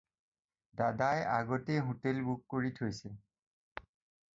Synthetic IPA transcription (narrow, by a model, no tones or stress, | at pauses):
dadajaɡɔtejɦutelbukːoɹitʰojsɛ